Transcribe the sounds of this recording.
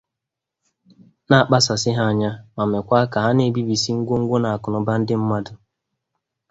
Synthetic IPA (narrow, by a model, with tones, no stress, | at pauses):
na˦a˨k͡pa˦sa˨sɪ˦ɦa˦a˨ɲa˦ma˨me˨kʷa˦ka˨ɦa˦ne˦˨bi˦bi˨si˦ŋ̩˦ɡʷo˦ŋ̩˦ɡʷo˦na˨a˨kʊ˨nʊ˨ba˦n̩˦dɪ˦m̩˦ma˦dʊ˨